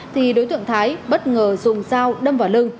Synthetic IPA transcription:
t̪ʰi˨˩ɗo˨˦jt̪ɨ̰˧˨əŋt̪ʰaː˨˦jɓə˦˥t̚ŋəː˨˩zʊ˨˩ŋ͡mzaː˧wɗə˧mvaː˨˩wlɨ˧ŋ

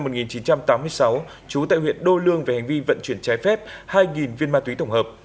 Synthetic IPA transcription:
mo˨˩t̚ŋi˨˩nt͡ɕi˨˦nt͡ɕa˧mt̪aː˨˦mːɨ˧əjsa˨˦w | t͡ɕu˨˦t̪a̰ː˧˨hwḭ˧˨ənɗo˧lɨ˧əŋva˨˩ha˨˩ŋ̟vi˧və̰˧˨nt͡ɕwi˧˩ənt͡ɕɛ˨˦jfɛ˦˥p̚haː˧jŋi˨˩nvi˧ənmaː˧t̪wi˨˦t̪ə˧˩wŋ͡mhəː˨˩p̚

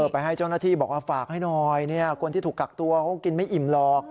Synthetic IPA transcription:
ɤː˨˩t̚pa˧jɦa˥˩jt͡ɕa˥˩wna˥t̪ʰiː˥˩bɔː˨˩k̚waː˥˩faː˨˩k̚ha˥˩jnɔː˧jni˥˩ɐkʰo˧nt̪i˥˩t̪ʰu˨˩kːa˨˩k̚t̪u˧ɐkʰa˦˥ki˧nma˥˩jʔi˨˩mlɔː˧k̚

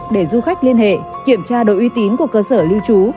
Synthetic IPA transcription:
ɗe˧˩zu˧xa˦˥k̚li˧ənhḛ˧˨ki˧˩əmt͡ɕaː˧ɗo̰˧˨ʔwi˨˦t̪i˨˦nku˧˩əkəː˧səː˧˩li˧wt͡ɕu˨˦

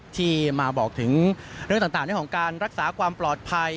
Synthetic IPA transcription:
t̪ʰiː˥˩maː˧bɔː˨˩k̚t̪ʰɯ˩˦ŋɾɯ˥˩ŋaː˨˩t̪aː˨˩ŋnː˦˥˩kʰɔ˩˦ŋkaː˧nɾa˦˥k̚saː˩˦kʰwaː˧mplɔː˨˩t̪̚pʰa˧j

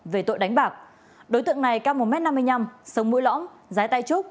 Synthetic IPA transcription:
ve˨˩t̪o̰˧˨jɗa˨˦jŋ̟ɓaː˨˩k̚ | ɗo˨˦jt̪ɨ̰˧˨əŋna˨˩jkaː˧wmo˨˩t̚mɛ˦˥t̚na˧mːɨ˧əjɲa˧msə˨˦wŋ͡mmṵ˧˥jlɔ̰˧˥mzaː˨˦jt̪a˧jt͡ɕu˦˥k͡p̚

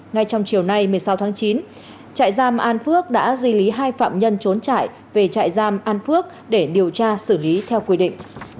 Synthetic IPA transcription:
ŋa˧jt͡ɕɔ˧wŋ͡mt͡ɕi˨˩əwna˧jmɨ˨˩əjsa˨˦wt̪ʰaː˨˦ŋt͡ɕi˨˦n | t͡ɕa̰ː˧˨jzaː˧mʔaː˧nfɨ˦˥ək̚ɗa̰ː˧˥zwi˧li˨˦ɦaː˧jfa̰ː˧˨mɲə˧nt͡ɕo˨˦nt͡ɕa̰ː˧˨j | ve˨˩t͡ɕa̰ː˧˨jzaː˧mʔaː˧nfɨ˦˥ək̚ | ɗe˧˩ɗi˨˩əwt͡ɕaː˧sɨ˧˩li˨˦t̪ʰɛ˧wkwi˧ɗḭ˧˨ŋ̟

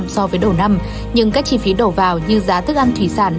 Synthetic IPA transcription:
msɔ˧vəː˨˦jɗo˧˩wna˧m | ɲɨ˧ŋkaː˦˥k̚t͡ɕi˧fi˨˦ɗo˧˩vaː˨˩wɲɨ˧zaː˨˦t̪ɨ˦˥k̚ʔa˧nt̪ʰwi˧˩saː˧˩n

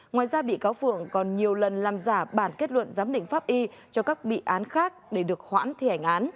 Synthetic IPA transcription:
ŋwaː˨˩jzaː˧ɓḭ˧˨kaː˨˦wfɨ̰˧˨əŋkɔ˨˩nɲi˨˩əwlə˨˩nlaː˨˩mzaː˧˩ɓaː˧˩nke˦˥t̚lwə̰˧˨nzaː˨˦mɗḭ̈˧˨ŋ̟faː˦˥p̚ʔi˧t͡ɕɔ˧kaː˦˥k̚ɓḭ˧˨ʔaː˨˦nxaː˦˥k̚ɗe˧˩ɗɨ˨˩ək̚hwa̰ː˧˥nt̪ʰi˧˩ha˧˩jŋ̟ʔaː˨˦n

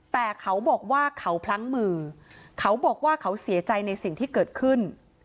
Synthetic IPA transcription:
t̪ɛː˨˩kʰa˦˥wbɔː˨˩k̚waː˥˩kʰa˦˥wpʰla˦˥ŋmɯː˧kʰa˦˥wbɔː˨˩k̚waː˥˩kʰa˦˥wsi˩˦t͡ɕa˧jna˧jsi˨˩ŋt̪ʰiː˥˩kɤː˨˩t̪̚kʰɯ˥˩n

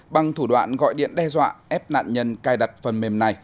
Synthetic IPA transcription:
ɓa˨˩ŋt̪ʰu˧˩ɗwa̰ː˧˨nɣɔ̰˧˨jɗḭ˧˨ənɗɛ˧zwa̰ː˧˨ʔɛ˦˥p̚na̰ː˧˨nɲə˧nkaː˧jɗa˨˩t̚fə˨˩nme˨˩mna˨˩j

